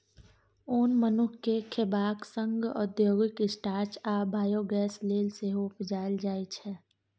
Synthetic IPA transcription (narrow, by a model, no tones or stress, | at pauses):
oːnmənʊkʰkːekʰebaːksə̃ŋɡɔ̰d̪joːɡɪkɪsʈaːɾt͡ʃaːbʱaːjoɡɛːsleːlseɦopd͡ʒaːld͡ʒaːit͡ʃʰɛː